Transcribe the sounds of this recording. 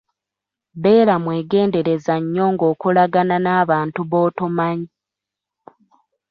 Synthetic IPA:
βe̞ːɾamwe̞ːɡe̞ːnde̞ɾe̞zaɲːo̞ːŋɡo̞ːkulaɡananaːβaːntuβo̞ːtumaɲi

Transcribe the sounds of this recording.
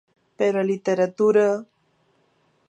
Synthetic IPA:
peɾalit̪eɾat̪uɾa

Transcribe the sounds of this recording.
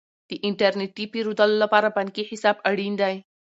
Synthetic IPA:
d̪̥əʔɪɳʈaɾneʈipiɾud̪alolapɑɾabaŋkiħɪsɑbaɽind̪aj

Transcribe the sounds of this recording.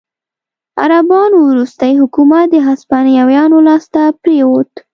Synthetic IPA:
a̰ɾabɑnowɾust̪ajhʊkumat̪̚d̪əɦaspɑnjawjɑnolɑst̪apɾewot̪

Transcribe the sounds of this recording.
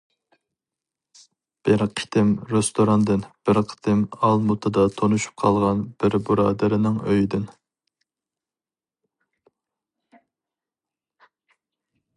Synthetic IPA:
b̥ɪɾqʰə̥t̪ʰɪmɾest̪oɾɑnd̪ɪnb̥ɪɾqʰə̥t̪ʰɪmɑlˠmut̪ʰɨd̪ɑt̪ʰonuʃu̥p̚qʰɑlˠʁɑnb̥ɪɾbuɾɑːd̪ɪɾɪnɪŋøjd̪ɪn

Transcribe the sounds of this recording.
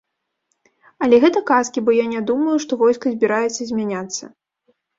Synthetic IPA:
ɐlʲɛɣɛt̪ɐkaskʲibɔjanʲad̪umɐjuʂt̪ɔvɔjskɐzʲbʲiɾajɛt̪sːɐzʲmʲanʲat̪sːɐ̰

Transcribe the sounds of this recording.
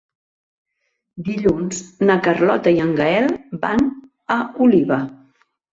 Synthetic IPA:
d̪iʎunznəkərlɔt̪əiəŋɡəɛlˠba̰n | əuliβə

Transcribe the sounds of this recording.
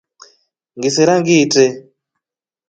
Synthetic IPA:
ŋɡisiɾaŋɡitɛ

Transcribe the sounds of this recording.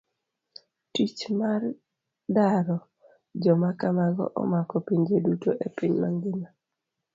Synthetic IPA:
tit͡ʃmar | daɾɔ | d͡ʒɔmakamaɡɔ̰ʔɔ̰makɔpiɲd͡ʒedutoʔepiɲmaŋɡɪna

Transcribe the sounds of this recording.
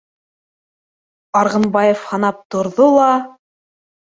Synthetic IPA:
ɑɾʁɤ̆nbɑjefhɑnɑp̚t̪ŏɾðolˠɑ

